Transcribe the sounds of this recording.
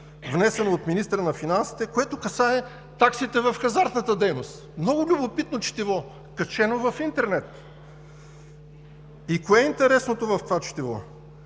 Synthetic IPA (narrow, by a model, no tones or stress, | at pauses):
vnɛsɛnoːt̪minist̪əɾənɐfinansi̥t̪ɛkoɛt̪okɐsaɛ | t̪aksit̪ɛvɐfxɐzaɾt̪nət̪əd̪ɛjnost̪mnɔɡʊlʲubopit̪not͡ʃi̥t̪ivɔ | kɐt͡ʃɛnovɐfint̪ɛɾnɛt̪ | ikoɛint̪ɛɾɛsnot̪ovɐft̪ovat͡ʃi̥t̪ivɔ̰